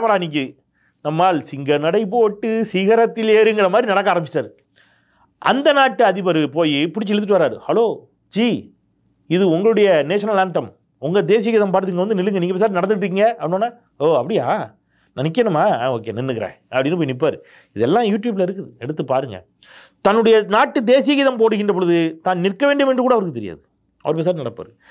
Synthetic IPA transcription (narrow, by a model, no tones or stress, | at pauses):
pɐɽaːniːŋkɯ | nɐmːaːlsɪŋɡɐnɐɽɐɪpoʈːɯsiːɣɐɾɐt̪ːɪleːɾɯŋɡɪɾɐmaːd̪ɾinɐɽɐk̬ːaːɾɐmbt͡ʃɪʈːaːɾɯ | ʔɐ̰nd̪ɐnaːʈːɯɐðɪpɐɾɯpoːjipʊɽɪt͡ʃːɯɛɽɯt̪ːɯʈːɯʋaːɾaːɾɯhɐloː | d͡ʒiː | ɪðɯʊŋɡɐɭɯɽɐjɐneːʂɐnɐlaːnt̪ɐm | ʊŋɡɐd̪eːsɪjɐkːɪðãmpaːʈt̪ɯɪŋɡɐʋɐnd̪ɯnɪlːɯŋɡɐniːŋɡɐpːeːsaɾnɐɽɐndɯkːɪʈːɾɯkːɪŋɡɐɐpːɐnoːnːaː | oːɐpːɐɽɪjaː | nɐnɪk̬ːɐɳɯmːaːoːkḛːnɪnːɯkɪɾḛ̃ːɐpːɐɽɪnːɯp̬oːjinɪp̬ːaːɾɯ | ɪðɛlːãːjuːʈjuːblɐɪɾɯk̬ːɯðɯɛɽɯt̪ːɯpaːɾɯŋɡɐ̰ | t̪ɐnːɯɽɐjɐnaːʈːɯd̪eːsɪjɐɣiːðɐmpoːɽɯɣɪndrɐp̬ɔɻɯðɯt̪aːnnɪrkːɐʋeːɳɖɯmendrɯkuːɽɐʋɐɾkːɯt̪ɛɾɪja̰ːðɯ | ɐ̰ʋɐɾɯpes̬aːɾnɐɽɐpːa̰ːɾɯ